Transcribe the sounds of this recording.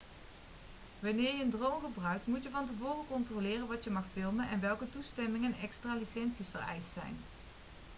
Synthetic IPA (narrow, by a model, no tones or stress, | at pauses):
ʋɑnɪːɹjəəndrowmɣəbrœɥk̚tmutjəvɑnt̬əvʊːrəkɔntrolɪːrənʋɑtjəmɑxfɪlˠmənʔɛ̰nʋɛlˠkətustɛmɪŋənɛkstraːlisɛnsisfərɛ̰jstsɛ̰jn